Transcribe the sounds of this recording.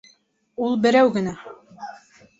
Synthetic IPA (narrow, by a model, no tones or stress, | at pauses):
ulˠbɘ̆ɾæwɡɘ̆næ